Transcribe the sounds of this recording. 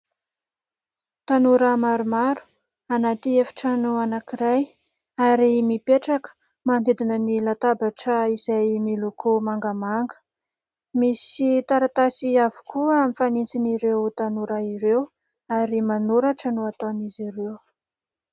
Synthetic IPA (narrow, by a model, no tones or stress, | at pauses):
t̪anuɾəmaɾumaɾu̥ | anat̪iefḁʈ͡ʂanuanakiɾaj | aɾimipeʈ͡ʂakə̥ | mand̪ed̪inənilat̪abaʈ͡ʂəiz̥ajmilokomaŋɡamaŋɡə̥ | misit̪aɾat̪asiavu̥kuəamifanint͡siniɾewt̪anuɾaiɾew | aɾimanuɾaʈ͡ʂanuat̪oniziɾew